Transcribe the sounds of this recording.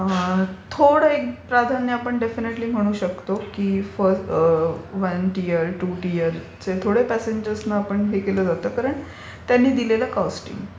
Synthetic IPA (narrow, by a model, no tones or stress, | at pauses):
ət̪ʰoɽəekpɾad̪ʱanjəapəɳɖefineʈliːm̤əɽ̃uːɕəkt̪okiːfə | ʋənʈijəɾʈuʈijəɾ | t͡set̪ʰoɽepæseɲd͡ʑəɾsnaːpəɳɦekeləːd͡zat̪əːkaɾəɳ | t̪janːiːd̪ilelakasʈḭːm